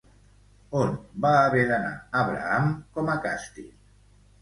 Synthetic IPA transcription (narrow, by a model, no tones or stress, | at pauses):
onbaːβeɾana̰aβɾa̰amkɔmakast̪ḭl